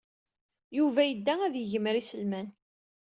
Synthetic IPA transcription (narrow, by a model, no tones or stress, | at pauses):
juvæjəd̪ːææðjəʝəməɾisəlmæn